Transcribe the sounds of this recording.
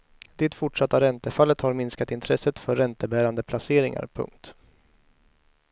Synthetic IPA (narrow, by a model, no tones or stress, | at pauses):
d̪̥ɪt̪fʊʈʂat̪ːaɾɛnt̪əfalːət̪haɾmɪnskat̪ɪnt̪ʰɾɛsət̪fœɾːɛnt̪əbæːɾand̪əpʰlaseːɾɪŋa̰ɾpʰɵ̰ŋk̚t̪